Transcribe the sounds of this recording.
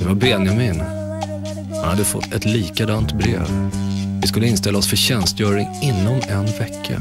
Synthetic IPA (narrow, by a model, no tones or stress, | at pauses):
d̪̥ɛvaɾbeːnəmɪn | hanh̪ad̪ːəfɔ̰t̪ʰːɛt̪liːkad̪ɑːnt̪bɾḛːvvɪskɵlːəɪnst̪ɛlːaɔsfœɕɛnst̪jœːɾɪŋɪnːɔmɛnvɛkʰːa̰